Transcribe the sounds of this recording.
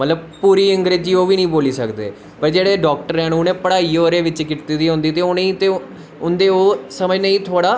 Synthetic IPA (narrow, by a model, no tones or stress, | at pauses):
mət̪ləb̚puːɾiːəŋɡɾeːd͡ʒiːoːʋiːnĩːboːliːsəkd̪ḛː | pəɾd͡ʒeːɽeːɖɔːk̚ʈəɾɛːnʊnẽːpəɽaːiːoːɾeːʋɪt͡ʃkɪʈt̪iːd̪iːɦʊ̃nd̪iːt̪eːʊneĩːt̪eː | ʊnd̪eːoːsəməd͡ʒnəĩːt̪ʰoːɽaː